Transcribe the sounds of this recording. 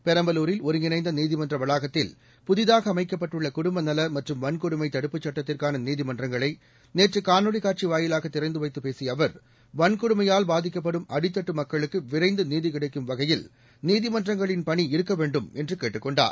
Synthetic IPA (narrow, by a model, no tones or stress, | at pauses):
pɛɾɐmbɐluːɾɪlɔɾɯnɪnɐɪnd̪ɐniːðɪmɐndrɐʋɐlaːɣɐt̪ːɪl | pʊðɪðaːɣɐːmɐɪkːɐpːɐʈːɯɭːɐkʊɽʊmbɐnɐlɐmɐʈrɯmʋɐnkʊɽɯmɐɪt̪ːɐɽɯpːɯt͡ʃːɐʈːɐt̪ːɪrkaːnɐniːðɪmɐndrɐŋɡɐɭɐɪ | neːʈrɯkaːnɯɽɪkaːrt͡ʃiʋaːjɪlaːɣɐt̪ːɪɾɐɪnd̪ɯʋɐɪt̪ːɯpeːsɪjɐːʋɐɾ | ʋɐnkʊɽɯmɐjaːlbaːðɪkːɐp̬ːɐɽɯmɐɽɪt̪ːɐʈːɯmɐkːɐɭɯkːɯʋɪɾɐɪnd̪ɯniːðɪkɪɽɐɪkːɯmʋɐɣɐjɪl | niːðɪmɐndrɐŋɡɐɭɪnpɐɳiɪɾɯkːɐʋeːɳɖɯmɛndrɯkeːʈːɯkːɔɳɖa̰ːɾ